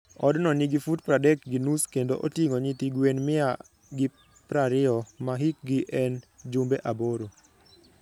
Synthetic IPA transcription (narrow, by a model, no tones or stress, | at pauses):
ɔdnɔniɡifud̚pɾadɛkɡinuskendoʔotjiŋoɲitiɡwenmɪa | ɡɪ | pɾaɾɪɔmaɦik̚ɡɪʔɛnd͡ʒumbeʔaboɾo